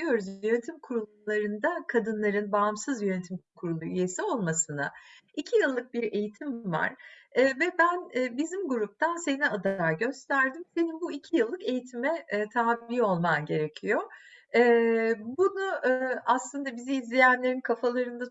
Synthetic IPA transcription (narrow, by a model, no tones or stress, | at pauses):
ijo̞ɾuzjø̞net̪ʰimkʰuɾulˠ | lˠaɾɯnd̪akʰad̪ɯnlˠaɾɯnbamsɯzjønet̪ʰimkʰuɾulˠuyje̞sio̞lˠmasɯna̰ | icʰijɯlˠːɯk̚biɾe̞jit̪ʰimva̰ɾ̥ɛvɛbænɛbizimɡuɾup̚t̪ʰanse̞niad̪aːɟø̞st̪ʰæɾd̪imse̞ninbuicʰijɯlˠːɯke̞jit̪ʰimɛt̪ʰaːbiːo̞lˠmanɟe̞ɾe̞cʰijoɛːbunuaslˠɯnd̪abiziːzlʲejænlʲe̞ɾinkʰafalˠaɾɯnd̪a